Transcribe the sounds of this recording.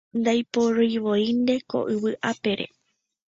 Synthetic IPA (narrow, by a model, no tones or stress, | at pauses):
nd̪ajpoɾoiʋojind̪e̞ko̰ʔɨβɨʔape̞ɾe̞̰